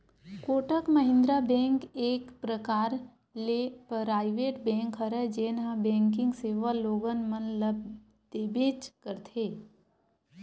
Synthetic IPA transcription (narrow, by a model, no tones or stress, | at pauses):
koːʈəkməɦɪ̃nd̪ɾabɛ̃ːŋkeːkpɾəkaːɾ | lepɾaːɪʋeːʈbɛ̃ːŋkɦəɾɛd͡ʒeːnɦabɛ̃ːŋkɪ̃ŋɡseːʋaloːɡənmənləb̚ | d̪̥eːbeːt͡ʃkəɾt̪ʰeː